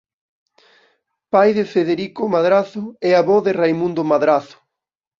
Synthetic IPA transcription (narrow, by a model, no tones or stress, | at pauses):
pajðɪfeðeɾikʊmaðɾaθʊɛaβɔðɪrajmũnd̪ʊmaðɾaθʊ̥